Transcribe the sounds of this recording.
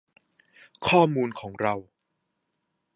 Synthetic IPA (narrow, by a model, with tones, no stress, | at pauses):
kʰɔː˥˩muː˧nkʰɔː˩˦ŋɾa˧w